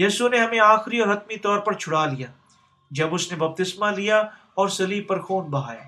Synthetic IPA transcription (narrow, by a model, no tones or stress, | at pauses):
jiːsuneɦɐmẽaːxɾiɔːɾɦɐt̪mit̪ɔːɾpɐɾt͡ʃʰʊɽalijaː | d͡ʒɐbʊsnebɐp̚t̪ɪsmalija | ɔːɾsɐliːpɐɾxoːnbɐɦaːja̰ː